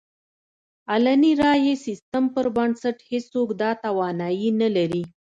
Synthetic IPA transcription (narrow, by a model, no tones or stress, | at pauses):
alaniɾɑjesist̪əmpəɾbansaʈhest͡sokd̪ɑt̪awɑnɑjinalaɾi